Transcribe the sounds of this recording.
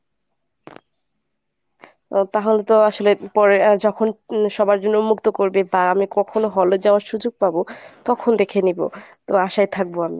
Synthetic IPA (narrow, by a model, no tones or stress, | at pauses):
t̪aɦolet̪oaʃolepɔɾed͡ʑɔkʰonʃɔbaɾd͡ʑonːomukt̪okoɾbebaamikɔkʰonoɦɔlod͡ʑaoaɾʃud͡ʑoɡ̚pabot̪ɔkʰond̪ekʰenibo̰t̪oaʃajt̪ʰak̚boami